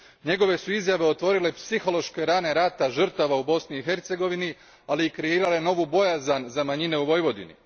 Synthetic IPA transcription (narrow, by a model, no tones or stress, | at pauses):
ɲe̞ɡo̞ʋe̞suizjaʋe̞o̞t̪ʋo̞ɾile̞psixo̞lo̞ʃke̞ɾaːne̞ɾat̪aʒr̩t̪aʋaubo̞sniːɦe̞ɾt̪se̞ɡo̞ʋini | aliːkɾeiːɾale̞no̞ʋubo̞jazanzamaɲine̞uʋo̞jʋo̞d̪ḭnḭ